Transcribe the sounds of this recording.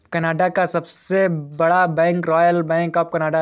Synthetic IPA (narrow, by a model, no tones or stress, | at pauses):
kɐnaːɖakasɐbsebɐɽabɛ̃ːŋkɾɔːjəlbɛ̃ːŋkɔːp̚kɐnaːɖa